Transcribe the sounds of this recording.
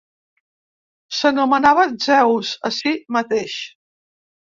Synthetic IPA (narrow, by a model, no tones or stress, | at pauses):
sənumənaβəzɛwzəsimət̪eʃ